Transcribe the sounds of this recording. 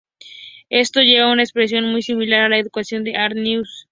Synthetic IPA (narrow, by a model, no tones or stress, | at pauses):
e̞st̪o̞ʝe̞β̞aunaekspɾes̬jo̞nmujsimilaɾalaeðukasjo̞nd̪e̞ʔaɾnjus